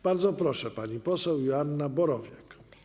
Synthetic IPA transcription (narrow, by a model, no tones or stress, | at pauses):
b̥aɾd̪zɔpɾɔʂɛpaɲipɔsɛwjanːabɔɾɔvʲjɛk